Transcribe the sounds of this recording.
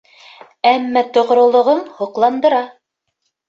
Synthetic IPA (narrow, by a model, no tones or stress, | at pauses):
æmːæt̪ŏʁ̆ɾŏlˠŏʁɤnhŏqlˠɑnd̪ɤ̆ɾɑ